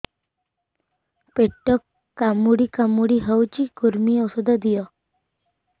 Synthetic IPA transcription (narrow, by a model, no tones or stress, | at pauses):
peʈːɔkː | amuɽikamuɽiɦəwt͡ʃikuɾmiɔsɔd̪ɔd̪ijɔ